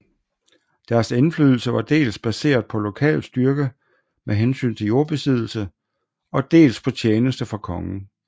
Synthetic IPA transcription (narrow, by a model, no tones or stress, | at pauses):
d̥æɐse̝nfly̰ːðˠl̩səʋɑ̈d̥e̝̰ːlsb̥æse̝̰ːɐðˠpʰɒ̽lo̝kʰɛ̰ːl̥sd̥ɶɐɡ̥ə | mʔeɦensy̰ːnt͡sʰe̝jo̝ːɐb̥e̝sið̞ˠl̩sə | ɒ̽d̥e̝̰ːlspʰɒ̽t͡ɕʰjeːnəsd̥əfʁɑ̈kʰɒ̽ŋn̩